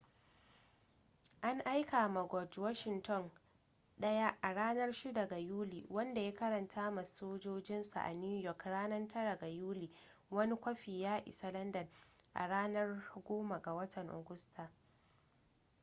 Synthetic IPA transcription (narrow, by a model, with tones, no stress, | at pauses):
ʔa˦ŋʔa˦jka˨ma˨ɡʷɔ˨d͡ʒwa˦ʃɪ˨ntʰɔ˦˨n | ɗɐ˦ja˦ʔa˨ɽaː˦nɐ˦rʃi˦dɐ˨ɡa˨juː˦liː˨wɐ˦nda˨ja˦kɐ˦ɾɐ˨ntʰaː˦ma˨soː˦d͡ʒoː˦d͡ʒɪ˦nsa̰˨ʔa̰˨ni˦jɔ˨kɽaː˦nɐ˦ntʰɐ˦ɽa˨ɡa˨juː˦liː˨wɐ˦ni˦kʷɐ˦ɸiː˨jaː˦ʔɪ̰˨sɐ˦lɐ˦ndɐ˨n | ʔa̰˨ɽaː˦nɐ˦rɡʷoː˦ma˨ɡa˨wɐ˦tʰɐ˨ŋʔʊ̰˨ɡʊ˦stʰaː˨